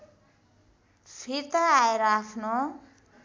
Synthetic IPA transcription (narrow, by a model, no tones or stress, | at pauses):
sʰiɾt̪ʌːeɾʌapʰno